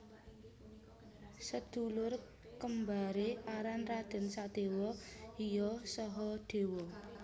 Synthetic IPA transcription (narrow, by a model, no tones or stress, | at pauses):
səd̪̥ulʊr | kəmbaɾeaɾanrad̪̥ɪ̤nsad̪̥ewɔijɔsɔɦɔɖ̪̥e̤wɔ